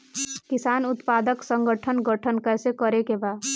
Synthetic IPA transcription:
kisanut̪pad̪əksəŋɡəʈʰənɡəʈʰənkəsekəɾekeba

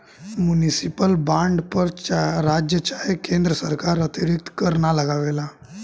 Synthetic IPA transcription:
munisipəlbaɳɖpəɾɾad͡ʑjət͡ɕajekẽnd̪ɾəsəɾkaɾət̪iɾik̚t̪kəɾɳaləɡaʋela

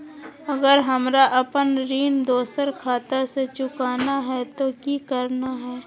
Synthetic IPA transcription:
əɡəɾɦɐmɾaʔɐpənɾiːnd̪oːsəɾkʰaːt̪aset͡ʃʊkaːnaɦɛt̪okikəɾnaɦɛː

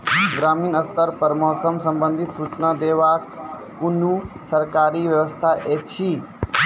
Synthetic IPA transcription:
ɡɾaːminəst̪əɾpəɾmɔːsəmsə̃mbə̃nd̪ʱit̪sut͡ʃnad̪eʋakː | unusəɾkaːɾiʋjəʋəst̪ʰaʔet͡ʃʰi

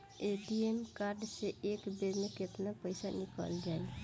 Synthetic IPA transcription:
eːʈiemkaːɾɖseeːkbeɾmekɪt̪napəɪsanɪkə̰ld͡ʒaːi

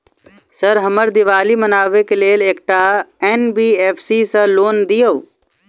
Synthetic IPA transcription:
səɾɦəməɾd̪ɪʋaːlimənaːʋekeleːleːkʈaeːnbiːeːpʰsisə̃loːnd̪ijoʋ

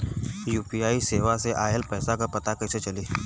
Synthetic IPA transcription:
juːpiaːiseːʋaseʔaːelpəːsakapɐt̪akəɪset͡ʃɐliː

